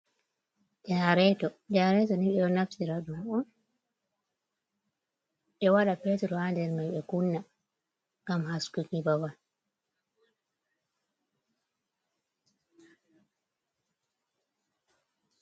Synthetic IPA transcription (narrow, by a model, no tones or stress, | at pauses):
d͡ʒaɾɛtɔd͡ʒaɾɛtɔniɓɛɔnaftiɾaɗumɔn | ɓɛwaɗapetɾɔhandɛɾmajɓɛkunːa | ɡamɦaskukibawan